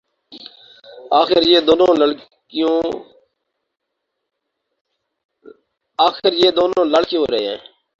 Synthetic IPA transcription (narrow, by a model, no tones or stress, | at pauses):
aːxɪɾjeːd̪oːnõːləɽ | ɪjõː | aːxɪɾjeːd̪oːnõːləɽkiõːɾəḛːɦɛ̰̃ː